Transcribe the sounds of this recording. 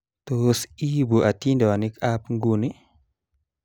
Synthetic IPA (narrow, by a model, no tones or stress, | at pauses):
tɔsibuʔatindɛwanikapŋɡuni